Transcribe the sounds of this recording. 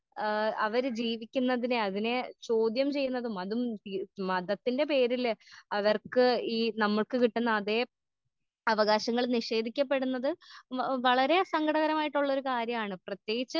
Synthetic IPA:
ɐʋɐɾd͡ʑiːʋikʲːunːɐðineɐðinet͡ɕo̞ːd̪jɐmt͡ɕe̞jːunːɐðumɐðumimɐd̪ɐt̪ːinde̞pe̞ːɾilɐʋɐrkɨiːnɐmːɐɭkɨkiʈːunːɐːðe̞ | ɐʋɐɣaːɕɐŋːɐɭniʂe̞ːd̪ʱikʲːɐp̬ːe̞ɽunːɐðɨʋɐɭɐɾe̞sɐŋɡʱɐɽɐɣɐɾɐmaːjiʈːuɭːɐoɾukaːɾjɐmaːɳɨprɐt̪je̞ːɡit͡ɕːɨ

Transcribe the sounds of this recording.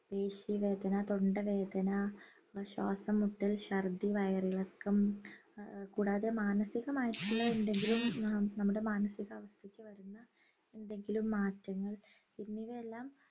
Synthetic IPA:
pe̞ːɕiʋe̞ːd̪ɐnɐt̪o̞ɳɖɐʋe̞ːd̪ɐnɐ | ɕoːsɐmːuʈːɐlɕɐrd̪iʋɐjɐriɭɐkːɐm | kuːɽaːðemaːnɐsiɣɐmaːjiʈːuɭːɐend̪e̞ŋɡilumnɐmːuɽe̞maːnɐsiɣɐːʋɐst̪ʰɐkʲːɨʋɐɾunːɐ | end̪e̞ŋɡilumːaːtːɐŋːɐɭ | inːiʋɐelːaːm

